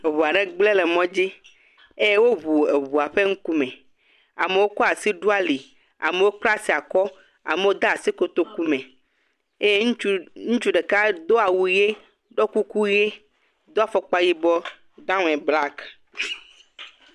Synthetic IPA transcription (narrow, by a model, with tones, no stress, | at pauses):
e˨βu˨a˨ɖe˦ɡ͡ble˦le˨mɔ̃˦d͡ʑi˦ | e˦je˦wo˦βu˨e˨βu˨a˨ɸe˦ŋ̩˦ku˦mɛ̃˨ | a̰˨me˨wo˦kɔ˦a˨si˦ɖu˦a˨li˨ | a̰˨me˨wo˦k͡pla˦si˨a˨kɔ˦ | a̰˨me˨wo˦d̪a˦a˨si˦ko˦t̪o˦ku˦mẽ˨ | e˦e˦ŋũ˦t͡ʃu˦ɖe˨ka˦d̪o˦a˨wu˦je˦ | ɖɔ˦ku˦ku˦je˦ | d̪ɔ˦a˦fɔ˦k͡pa˦ji˦bɔ˦ | d̪ã˦ŋ˨ɛ˨bla˦k